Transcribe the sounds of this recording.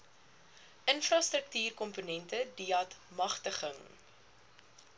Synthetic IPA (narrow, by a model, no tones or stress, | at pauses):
ʔənfrɐstrək̚tyːrkɔmpunɛntədiɐtmɐχtəχəŋ